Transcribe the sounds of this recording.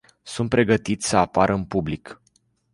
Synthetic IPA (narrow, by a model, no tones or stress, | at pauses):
sunt̪̚pɾe̞ɡət̪it̪sʲsəapaɾʔəɨnpublik